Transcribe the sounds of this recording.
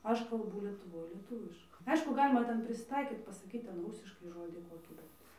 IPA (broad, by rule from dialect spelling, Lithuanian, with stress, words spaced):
ˈɐʃ kɐlˠˈbuː lʲiɛtʊˈʋoːj lʲiɛˈtʊʋʲɪʃkɐ ˈɐɪʃkʊ ˈɡɑːlʲɪmɐ ˈtʲɛn pʲrʲɪsʲɪˈtɐɪkʲiːt pɐsɐˈkʲiːt ˈtʲɛn ˈruːsʲɪʃkɐɪ ˈʒoːdʲɪ ˈkoːkʲiː ˈbʲɛt